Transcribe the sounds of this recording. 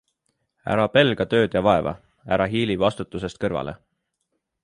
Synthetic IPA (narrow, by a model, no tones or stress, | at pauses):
æ̰ɾɑpe̞lɡ̥ɑt̪ø̞ːd̪̥jɑvɑe̞vɑ̰ | æɾɑɦiːlivɑst̪ut̪ːˑuse̞st̪kɤrvɑ̰lʔe̞̰